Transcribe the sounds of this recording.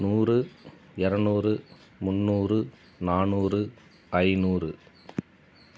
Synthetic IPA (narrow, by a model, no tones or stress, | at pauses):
nuːrɯ | ɪɾɐnuːrɯ | mʊnːuːrɯ | naːɳuːrɯ | ɐɪnuːrɯ